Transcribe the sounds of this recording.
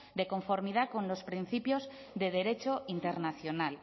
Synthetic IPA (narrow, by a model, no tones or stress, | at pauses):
d̪eko̞ɱfo̞ɾmið̞ako̞nlo̞spɾin̟θipjo̞z | ðe̞ð̞e̞ɾe̞t͡ʃo̞int̪e̞ɾnaθjonal